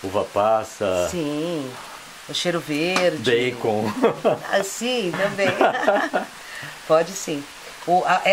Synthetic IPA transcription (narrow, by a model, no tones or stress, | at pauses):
uvɐpasɐĩ | oʃejɾʊveɾbejkõ | a̰sĩtt̪ɐ̃bẽj̃ | pɔd͡ʒɪsĩ | ʊʔaʔɛ